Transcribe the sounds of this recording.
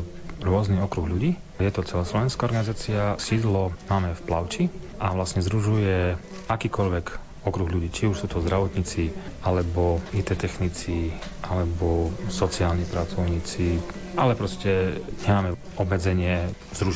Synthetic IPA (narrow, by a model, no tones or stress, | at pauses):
ɾʊɔzniɔkɾuɣʎuɟiː | jɛt̪ɔt͡sɛlaːslɔʋɛnskaɔɾɡanizaːt͡siasiːd̪lɔmaːmɛfplaʊt͡ʃi | ʔaʋlasɲɛzɾuʒujɛ | akiːkɔʎʋɛk | ɔkɾuɣʎuɟiːt͡ʃiuʃsuːt̪ɔzd̪ɾaʋɔt̪ɲiːt͡sialɛbɔit̪ɛt̪ɛxnit͡siʔalɛbɔsɔt͡siaːlɲipɾat͡sɔʊɲiːt͡si | ʔalɛpɾɔscɛɲɛmaːmɛ | ɔbmɛd͡zɛɲɪɛ | zɾu